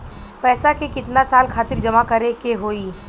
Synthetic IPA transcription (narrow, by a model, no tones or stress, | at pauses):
pɛːsakekɪt̪nasaːlkʰaːt̪ɪɾd͡ʒɐmakɐɾekeɦoːiː